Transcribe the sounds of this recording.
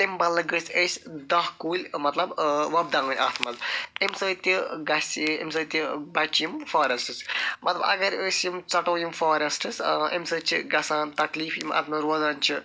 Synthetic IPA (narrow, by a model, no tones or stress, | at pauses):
t̪imbɐlːɐɡɨsʰʲesʲd̪ɐɦkuːlʲmɐt̪lɐbʋɐb̚d̪ãːŋɡɨnʲaːt̪ʰmɐzimsɐt̪ʲiɡɐsḭmsɐt̪ʲibɐt͡ʃjimfaːɾɐsʈɨsmɐt̪lɐbɐ̰ɡɐɾəsjimt͡sɐʈoːjimfaːɾɐsʈɨsḛmsɐːt͡ʃʰiɡɐsaːnt̪ɐkliːfjimɐ̰t̪ʰmɐɾoːzaːnʲt͡ʃʰi